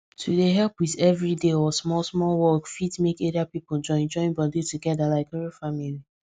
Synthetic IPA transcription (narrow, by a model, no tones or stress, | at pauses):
tʰudeɦɛlpwiðɛvɹideɔsmɔlsmɔlwɔkfitmekeɾiapipod͡ʒɔ̃ɪ̃nd͡ʒɔ̃ɪ̃nbɔdituɡɛdalaɪkɛɹifamili